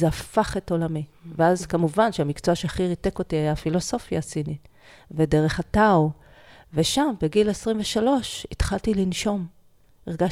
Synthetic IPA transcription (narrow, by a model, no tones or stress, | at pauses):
zeafaχe̞tolamiveazkamuvanʃeamikt͡soaʃeaχiʁite̞ko̞tiajafilo̞so̞fjasinit | vede̞ʁe̞χatao | ve̞ʃambeɡilesʁimveʃalo̞ʃit̪χaltilinʃo̞m | iʁɡa